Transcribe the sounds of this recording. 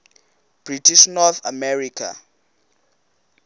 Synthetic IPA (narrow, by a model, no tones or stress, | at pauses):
b̥ritʰiʃnɔθa̰mɛrikʰa̰